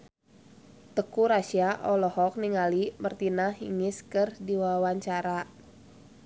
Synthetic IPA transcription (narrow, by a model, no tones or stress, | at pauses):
t̪əkuɾaʃiaʔɔlɔhɔk̚niŋalimərt̪inahɦḭŋɪskɨrdiwawaɲt͡ʃaɾa